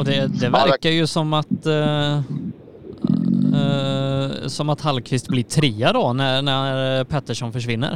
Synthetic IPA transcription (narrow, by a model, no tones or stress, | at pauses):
ɔd̪ɛd̪ɛvæɾkaɾjɵsɔmːat̪ | sɔmat̪halkʰvɪst̪̚blɪʈʰɾiːad̪ɔnæɾnæɾhaɾpʰɛt̪ːəʂɔnfœʂvɪnːə̰ɾ